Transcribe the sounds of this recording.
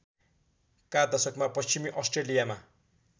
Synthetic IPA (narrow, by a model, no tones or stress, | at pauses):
kad̪ʌsʌkmapʌst͡ɕimiʔʌsʈrelijama